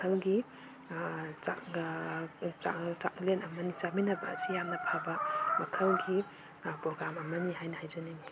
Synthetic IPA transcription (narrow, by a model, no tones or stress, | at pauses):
ɐlɡi | t͡ʃa̰ | a̰t͡ʃaklenɐmɐnit͡ʃaminɐbɐːsijamnɐpʰabɐmɐkʰɐlɡi | pɾɔɡɾamɐmɐniɦajnɐhajzɐnaŋ